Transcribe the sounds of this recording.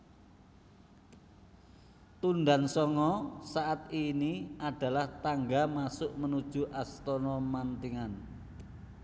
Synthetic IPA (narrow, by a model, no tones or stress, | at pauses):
t̪und̪ansɔŋɔsaʔat̪iniʔaɖ̥a̤laht̪aŋɡamasʊʔmənud̥ʒ̥ṳʔast̪ɔnɔmant̪iŋan